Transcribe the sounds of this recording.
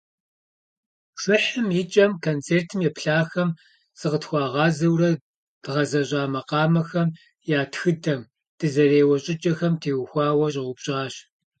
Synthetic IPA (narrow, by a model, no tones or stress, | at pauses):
ʂʷʊħəmjɪt͡ʃʼɐmkʰont͡sʰeːrtʰɨmjɛpɬaːxɐm | z̥ɨqətxʷɑːʁɑːzɐwrɐ | d̥ʁɐzɐɕʼaːmɐqɑːmɐxɐm | jaːtxɨdɐm | d̥ɨzɐreːwɐɕʼɪt͡ʃʼɐxɐmtʰeːwxʷɑːwɐɕʼɪʁʷʊbɕʼɑːɕ